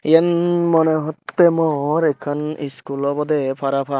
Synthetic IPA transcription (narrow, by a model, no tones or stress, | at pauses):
jɛnmɔnɛɦɔt̪ːɛmɔɾɛkʰaniskulɔbɔd̪ɛpʰaɾapʰa